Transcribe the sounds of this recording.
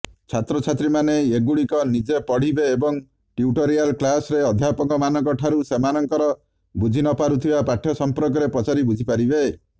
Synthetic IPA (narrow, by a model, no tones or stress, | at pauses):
t͡ʃʰat̪ɾɔt͡ʃʰat̪ɾimaneeɡuɽikɔnid͡ʒepɔɽ̤ibeːbɔŋ | ʈiuʈɔɾialklasɾeɔd̪ʱjapɔkɔmanɔŋkɔʈʰaɾusemanɔŋkɔɾɔ | bud͡ʒʱinɔpaɾut̪ʰibapaʈʰjɔsɔmpɾɔk̬ɔɾepɔt͡ʃaɾibud͡ʒʱipaɾibe